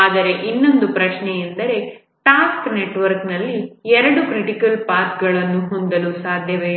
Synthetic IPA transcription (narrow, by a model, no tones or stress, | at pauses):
aːd̪ɐɾe̞ʔinːo̞nd̪upɾɐʃɳejend̪ɐɾe̞ | ʈaːskne̞ʈʋɐɾknɐlːiɛɾɐɽukɾiʈikɐlpaːɾt̪ɡɐɭɐnːuɦond̪ɐlusaːd̪ʱjɐʋe